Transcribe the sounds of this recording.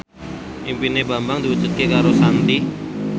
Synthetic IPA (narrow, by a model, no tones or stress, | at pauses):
ʔimpineba̤mbaŋd̪iwu̥d͡ʒut̪̚kekaɾosant̪i